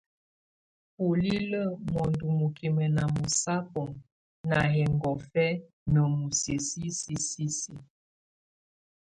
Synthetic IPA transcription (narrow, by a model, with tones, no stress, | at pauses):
po˨li˦lə˦˨mɔ˨ndu˨mu˨kʰi˨mɛ˨na˨mu˨sa˦pɔ˨ŋ | na˨ɦɛ˨ŋɡɔ˨fɛ˦ | nə˨mu˨se˨si˦si˦si˦si˦